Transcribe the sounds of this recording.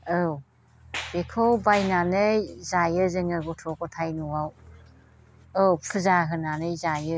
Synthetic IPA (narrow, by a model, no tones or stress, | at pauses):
ɯw | b̥ekʰowbajnanɯjzajɯzɯŋɯɡɔtʰɔkɔtʰajnuwaw | ɯwpʰɯzaɦɯnanɯjzajɯ